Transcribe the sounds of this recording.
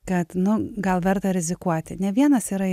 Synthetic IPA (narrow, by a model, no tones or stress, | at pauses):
kɐt̪nʊɡɐlˠʋʲɛrt̪ɐɾʲɪzʲɪkuɔt̪ʲɪnʲɛʋʲiɛnɐsiːɾɐ